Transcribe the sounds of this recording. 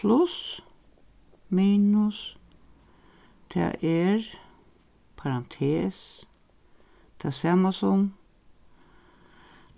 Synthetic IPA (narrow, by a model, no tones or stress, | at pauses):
pʰlʊs | miːnʊs | t̪ʰɛ̰ʔɛɹ | pʰaɾant̪ʰeːs | t̪ʰasaːmasʊm